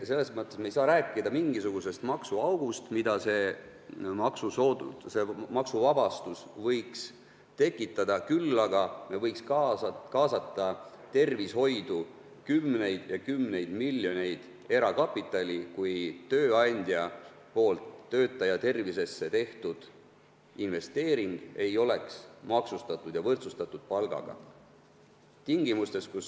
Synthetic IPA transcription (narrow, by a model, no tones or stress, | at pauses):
se̞lːesmɤt̪ːˑe̞smejsɑːɾæːkːˑid̪̥ɑmiŋɡisuɡ̥use̞st̪mɑksuɑwɡ̥ust̪mid̪̥ɑse̞ | mɑksusoːṵsemɑksuvɑb̥ɑst̪usvɤ̞jks | t̪e̞kːˑit̪ːˑɑd̪̥ɑkylːɑɡɑmevɤjkskɑkɑːsɑt̪ːˑɑ | t̪e̞rvisho̞jd̪̥u | kymne̞jd̪̥jɑkymne̞jd̪̥milːjo̞ne̞jd̪̥ | e̞ɾɑkɑpːˑit̪ːˑɑlʲikujt̪ø̞ːɑnʲd̪̥jɑ | po̞ːlt̪ːø̞ːt̪ːˑɑjɑt̪e̞rvise̞sːe̞t̪e̞ht̪ud̪̥ | inve̞st̪e̞ːɾiŋɡ̥e̞jo̞le̞ksmɑksust̪ɑt̪ːˑud̪̥jɑvɤrt̪sust̪ɑt̪ːˑud̪̥̚pɑlɡ̥ɑ̰ɡ̥ɑ̰ | t̪iŋɡ̥imust̪e̞skus